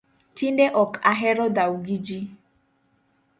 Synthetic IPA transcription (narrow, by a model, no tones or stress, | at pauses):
tindeʔɔkaɦɛɾɔdauɡid͡ʒi